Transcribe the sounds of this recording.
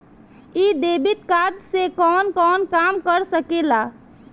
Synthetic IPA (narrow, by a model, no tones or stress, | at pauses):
id̪eːbɪt̪kaːd̪sekɔːnkɔːnkaːmkəɾsəkelaː